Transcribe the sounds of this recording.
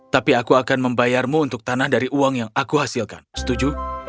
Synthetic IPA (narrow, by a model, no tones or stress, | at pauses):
t̪apiakuakanməmbajarmuunt̪ʊk̚t̪anahdaɾiʔuaŋjaŋakuɦasilka̰nsə̥t̪ud͡ʒu